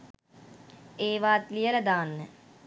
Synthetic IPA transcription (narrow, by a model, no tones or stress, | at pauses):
eːʋaːt̪lijələd̪aːnːə